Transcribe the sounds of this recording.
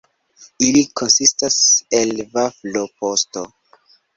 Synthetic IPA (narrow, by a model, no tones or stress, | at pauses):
ilikʰonsistaselvaflopʰosto